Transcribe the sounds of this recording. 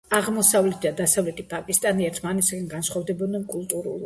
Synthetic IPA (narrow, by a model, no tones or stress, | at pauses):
aʁmɔsavlɛt̪ʰd̪ad̪asavlɛt̪ʼipʼakʼist̪ʼaniɛɾt̪ʰmanɛt̪ʰskʼɛnɡanʃχwavd̪ɛbɔd̪nɛnkʼulˠt̪ʼuɾṵlˠ